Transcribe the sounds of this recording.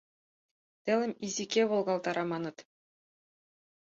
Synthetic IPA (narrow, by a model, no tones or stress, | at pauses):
t̪ælˠɘ̆mizikeβolˠʁɑlˠt̪ɑɾɑmɑnɤt̪